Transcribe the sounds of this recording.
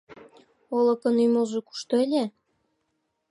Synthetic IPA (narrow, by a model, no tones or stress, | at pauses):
olɤ̆kɤ̆nyjmolʒoku̥ʃt̪olʲe